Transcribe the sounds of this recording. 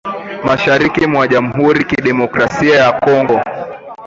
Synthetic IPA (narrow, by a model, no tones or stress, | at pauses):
maʃaɾikimwaʄam̩ɦuɾikiɗɛmɔkɾasiajakɔŋɡɔ